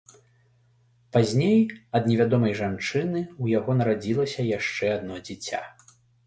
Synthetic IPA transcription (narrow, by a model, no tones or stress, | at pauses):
pazʲnʲejɐd̪nʲɛvʲad̪ɔmɐjʐant͡ʂɨnɨujaɣɔnɐɾad͡zʲilˠɐsʲɐjaʂt͡ʂɛad̪nɔd͡zʲit͡sʲa̰